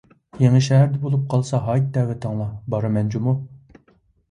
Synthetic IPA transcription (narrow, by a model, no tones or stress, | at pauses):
jeŋɪʃɛɦæɾd̪ɛbolˠup̚qʰɑlˠsɑɦɑjt̪̚ːɛːwɛt̪ʰɑŋlˠɑbɑɾɨmɛnd͡ʒumu